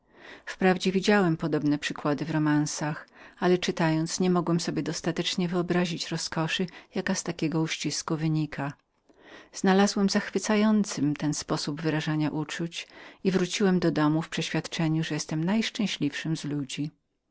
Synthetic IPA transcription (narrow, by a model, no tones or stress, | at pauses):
fpɾavd͡ʑɛvʲid͡ʑawɛmpɔd̪ɔbnɛpʂɘkwad̪ɘvɾɔmansaxalɛt͡ʂɘt̪ajɔnt̪sɲɛmɔɡwɛmsɔbʲjɛd̪ɔst̪at̪ɛt͡ʂɲɛvɘɔbɾaʑit͡ɕɾɔskɔʂɘjakast̪akʲɛɡɔuɕt͡ɕiskuvɘɲikʰa | z̥nalazwɛmzaxfɘt̪sajɔnt̪sɘmt̪ɛnspɔsubvɘɾaʐaɲaʔut͡ʂut͡ɕivɾut͡ɕiwɛmd̪ɔd̪ɔmufpʂɛɕfʲjat̪t͡ʂɛɲuʐɛjɛst̪ɛmnajʂt͡ʂɛ̃w̃ɕlʲifʂɘmzlud͡ʑi